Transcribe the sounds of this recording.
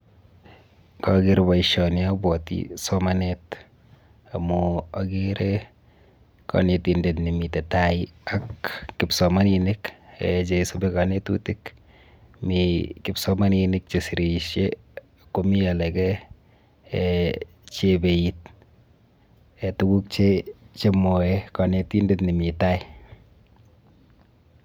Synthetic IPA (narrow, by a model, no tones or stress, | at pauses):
kaɡɪɾbaiʃɔnjabɔtḭsɔmanet | amuaɡiɾe | kɔ̰netindetnimitɛtaiakːɪpsɔmaninɪkɛ̰t͡ʃesobekanetṵtɪk | mikipsɔmaninɪk̚t͡ʃesiɾiʃje | komialɛkɛ | t͡ʃebeit̚ | etukuk̚t͡ʃet͡ʃemoekanetindetnimitai